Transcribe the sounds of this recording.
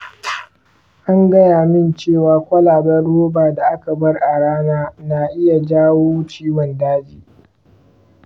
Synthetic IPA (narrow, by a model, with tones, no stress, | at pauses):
ʔa˦ŋɡɐ˦jaː˨mɪ˦nt͡ʃeː˦˨waː˦kʷɐ˦laː˨bɐ˦rːoː˦baː˨da˨ʔa˦ka˨bɐ˦rʔa˨ɽaː˦naː˦na˨ʔɪ˦ja˨d͡ʒaː˦woː˦t͡ʃiː˦wɔ˨ndaː˦d͡ʒḭː˨